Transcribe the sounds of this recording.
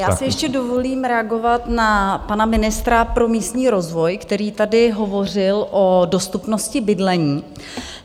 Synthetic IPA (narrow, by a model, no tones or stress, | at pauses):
jaːsɪjɛʃcɛdo̞vo̞liːmɾɛaɡo̞vat̪napanamɪnɪst̪ɾapɾo̞miːst̪ɲiːɾo̞zvo̞jkt̪ɛɾiːt̪adɪɦo̞vo̞r̝ɪlʔo̞do̞st̪upno̞scɪbɪdlɛɲiː